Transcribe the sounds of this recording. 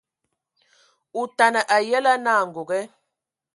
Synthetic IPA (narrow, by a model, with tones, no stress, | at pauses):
u˨ta˨nə˨ʔa˨jɛ˦la˦naː˦˨ŋ̩˨ɡo˨ɡɛ˦